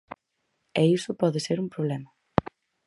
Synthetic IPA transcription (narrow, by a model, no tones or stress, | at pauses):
eisʊpɔðeseɾumpɾoβlemɐ